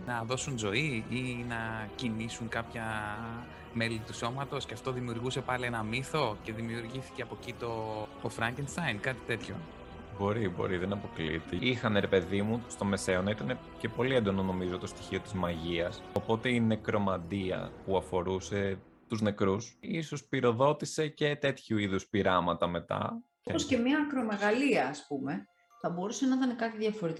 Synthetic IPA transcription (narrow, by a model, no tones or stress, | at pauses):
nɐðo̞sunzo̞iinɐcinisuŋkɐpçɐ | me̞lit̪uso̞mɐt̪o̞sceɐft̪o̞ðimiuɾɣuse̞pɐlienɐmiθo̞ce̞ðimiuɾʝiθi̥ce̞ɐpo̞cit̪o̞t̪ofɾɐɲcenst̪ɐjnkɐt̪i̥t̪e̞t̪ço̞̰ | bo̞ɾibo̞̰ɾiðenɐpo̞klḭt̪eixɐneɾe̞pe̞ðimust̪o̞me̞se̞onɐit̪ɐne | ce̞po̞liend̪onono̞mizot̪ost̪içio̞t̪izmɐʝiɐso̞po̞t̪e̞ine̞kɾo̞mɐd̪iɐ̰puɐfo̞ɾuse̞ | t̪uzne̞kɾusisospiɾo̞ðo̞t̪ise̞ce̞t̪e̞t̪çuiðuspiɾɐmɐt̪ɐme̞t̪ɐ̰ | eosce̞mɲɐːkɾo̞me̞ɣɐliɐːspume̞ | θɐbo̞ɾusenɐit̪ɐnekɐt̪iðʝɐfo̞ɾit̪